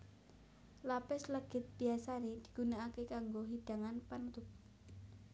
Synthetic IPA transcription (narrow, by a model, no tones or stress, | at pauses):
lapɪsləɡ̥ɪ̤t̪̚b̥i̤asaned̪̥i̤̥ɡ̥unaakekaŋɡoɦid̥a̤ŋanpanut̪ʊp̚